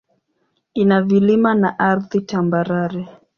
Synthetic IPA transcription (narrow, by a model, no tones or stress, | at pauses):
inavilimanaʔaɾðitambaɾaɾɛ